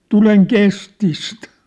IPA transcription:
tuleŋ kestist

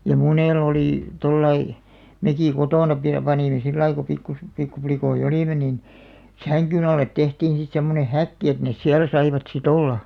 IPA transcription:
jɑ muneˑl oliˑ tolːɑi mekiˑ kotoˑnɑ pi pɑniˑme silːɑi ko pikːu pikːuplikoij̆ oliˑme nin sæŋkyn ɑlːet tehtiːn̞ sit semːone hækːi et nes siæl sɑiʋɑt sit olːɑ

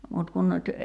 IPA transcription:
mut kun nyt

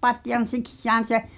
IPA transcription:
pɑtjɑn̞ siksːæːn̞ se

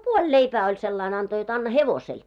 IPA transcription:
puolʲ leipæː olʲ selːɑin ɑnto jot ɑnːɑ heʋosel

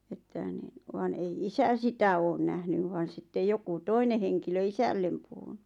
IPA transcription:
etːæ nin ʋɑˑn ei isæ sitæ oːn næhnyʋ ʋɑˑn̞ sitːej joku toine heŋkilø isælːem puhun̥u̥

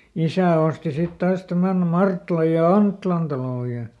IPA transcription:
isæˑ osti sit tɑːs tæmæn mɑrtlɑj jɑ ɑntːĭlɑn tɑloˑ jɑ

